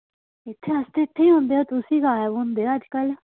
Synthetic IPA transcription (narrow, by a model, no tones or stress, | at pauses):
ɪt̪ʰːeəst̪eɪt̪ʰːeiɦʊ̃nd̪eːot̪ʊsiːkaːɦɛbʊnd̪eːəd͡ʒkəl